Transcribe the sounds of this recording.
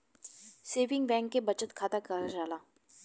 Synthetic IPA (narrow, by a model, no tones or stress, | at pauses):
seːʋɪ̃ŋɡbɛ̃ːŋkːebɐt͡ʃət̪kʰaːt̪akɐɾad͡ʒaːlaː